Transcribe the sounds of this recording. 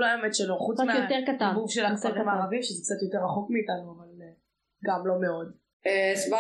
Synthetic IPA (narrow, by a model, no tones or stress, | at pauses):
loemetʃeloχut͡smejotteʁkat̪anvuvʃelasaʁemaːʁavimʃezɛk̚t͡sat̪jo̞te̞ʁaχo̞kmiːtanuaval | ɡamlo̞meo̞d | esba